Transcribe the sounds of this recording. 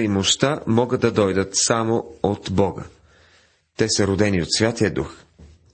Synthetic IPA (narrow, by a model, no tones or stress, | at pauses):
imoʃt̪amɔɡəd̪ːɐd̪ɔjd̪ət̪samoot̪bɔɡə̰ | t̪ɛsəɾod̪ɛniot̪svʲjat̪iəd̪ux